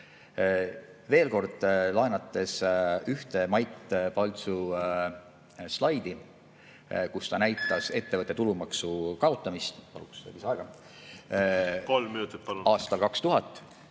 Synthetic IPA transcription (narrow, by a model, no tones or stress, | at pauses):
ve̞ːlko̞rd̪̥lɑenɑt̪ːˑe̞syht̪e̞mɑjt̪pɑlt̪su | slɑjd̪̥i | kust̪ɑnæjt̪ːˑɑse̞t̪ːe̞vɤt̪ːˑet̪ulumɑksukɑo̞t̪ːˑɑmist̪pɑ̰lṵksevisɑeɡ̥ɑ | kolmminut̪ˑit̪̚pɑluɑːst̪ɑlkɑkst̪uɦɑt̪ˑː